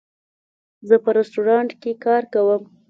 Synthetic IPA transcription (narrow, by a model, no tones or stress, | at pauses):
zəpəɾɪsʈuɾɑɳʈkekɑɾkawəm